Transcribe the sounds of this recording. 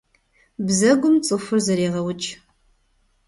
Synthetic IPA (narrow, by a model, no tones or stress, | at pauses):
bzɐɡʷʊmt͡sʼɨfɨrzɐɾeːʁɐwʊt͡ʃʼ